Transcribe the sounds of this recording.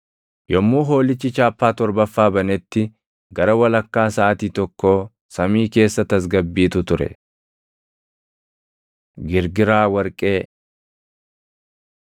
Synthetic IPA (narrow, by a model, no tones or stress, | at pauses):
jɔmːuːɦo̞ːlɪt͡ʃːɪt͡ʃaːpːaːt̪ɔɾbɐfːaːbɐnɛt̪ːɪ | ɡɐɾɐwɐlɐkːaːsaːt̪iːt̪ɔkːo̞ː | sɐmiːke̞ːsːɐt̪ɐs̬ɡɐbːiːt̪ʊt̪ʊɾɛ̰ | ɡɪɾɡɪɾaːwɐɾkʼe̞ː